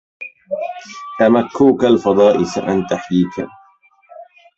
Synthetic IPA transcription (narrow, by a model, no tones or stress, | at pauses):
t̪amakʰːuːkalfɑd̪ˤɑːʔɪsa̰ʔant̪aħjiːkʰa̰